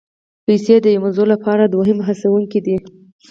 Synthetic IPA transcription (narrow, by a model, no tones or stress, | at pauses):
pajsed̪əjamazolapɑɾad̪woɦɪmɦasawuŋkid̪i